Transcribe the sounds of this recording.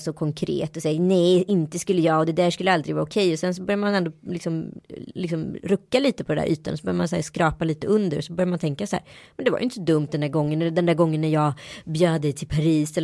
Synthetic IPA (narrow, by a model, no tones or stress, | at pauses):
sɔkʰɔŋkʰɾḛːt̪ɔsɛjːanɛjɪnt̪əskɵlːəjɑːɔd̪ɛd̪æːʂkɵlːəald̪ɾɪɡvɑːʊkʰɛjɔsɛns̬ɔbœɾjaɾmanɛnd̪olɪksɔmlɪksɔmɾɵkːaliːt̪əpʰɔd̪ɛnæ̰ɾʔy̰ːt̪anɔsɔbœɾjamanshæ̰ɾskɾɑːpaliːt̪əɵnd̪əɾɔsɔbœɾjaɾmant̪ʰɛŋkasahæ̰ːɾmmɛnd̪ɛva̰ɾjʏɪnt̪ːəsɔd̪ɵmt̪̚d̪ɛnd̪æːɾɡɔŋːənɛləd̪ɛnd̪æːɡɔŋːənːæɾjɑːɡbjøːd̪ɛjt̪ʰɪlpʰaɾiːsɛl